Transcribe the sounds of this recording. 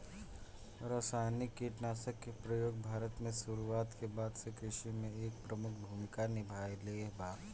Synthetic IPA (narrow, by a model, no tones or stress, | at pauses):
ɾasaːɪnɪkːiʈnaːsəkːepɾəjoːɡ̚bʱaːɾət̪mẽsuɾuaːt̪kebaːd̪sekɾɪʃimẽeːk̚pɾəmʊkʰbʱuːmɪkanɪbʱaːjleːbaː